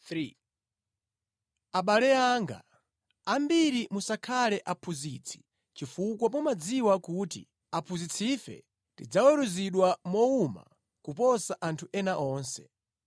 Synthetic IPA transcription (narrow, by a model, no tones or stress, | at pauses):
ɾi | aɓalɛaŋɡa̰ | ambiɾimusakʰalɛʔapʰuzit͡sʰi̥ | t͡ʃifukwapɔmad͡ziwakutḭ | apʰuzit͡sʰifɛ̰ | tid͡zawɛɾuziɗwamɔuma̰ | kupɔsaʔantʰuʔɛnaʔɔːnsɛ